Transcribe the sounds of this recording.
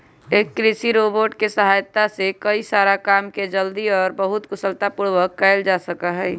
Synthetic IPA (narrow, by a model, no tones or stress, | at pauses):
eːkːɾɪsiɾoːboːɾʈkesəɦaːjt̪asekəisaːɾakaːmked͡ʒəld̪iɔːɾbəɦʊt̪kʊsəlt̪apʊɽʋəkːaɪld͡ʒaːsəkaɦɛː